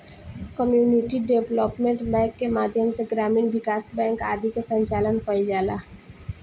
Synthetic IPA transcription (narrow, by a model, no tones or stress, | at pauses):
kəmjuːniʈiɖebloːpmẽɳʈbɛ̃ːkːemaːd̪ʱjəmseɡɾaːmiːnʋɪkaːsbɛ̃ːŋka̰ːd̪ikesə̃ɲt͡ʃaːlənkɔid͡ʒaːlaː